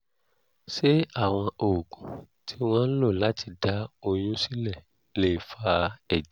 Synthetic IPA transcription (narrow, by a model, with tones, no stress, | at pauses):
ʃe˦a˦˨w̃ɔ̃˧o˨ɡũ˨ | ti˦w̃ɔ̃˦n̩˦lo˦˨la˦ti˧da˨˦o˧˨j̃ũ˦si˦lɛ˦˨ | le˨fa˧ɛ˨d͡ʒ